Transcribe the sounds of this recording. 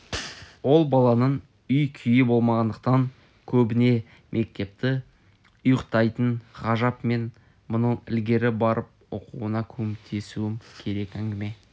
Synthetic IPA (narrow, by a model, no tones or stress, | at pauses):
wo̞lˠbɑlˠɑnəɴ | ʏjkʲʰʏjɪbo̞lˠmɑʁɑnd̪əqt̪ɑŋ | kʲʰɵbɪne̞ | mʔe̞k̚t̪e̞p̚t̪ɪ | ʊjəqt̪ɑjt̪əɴχɑʒɑpme̞n | mʊnəɴɪ̰lɡʲe̞ɾɪbɑɾəp̚o̰quwənɑkʲʰɵwɪt̪ʰe̞suɪmkʲʰe̞ɾe̞kæŋɡʲɪme̞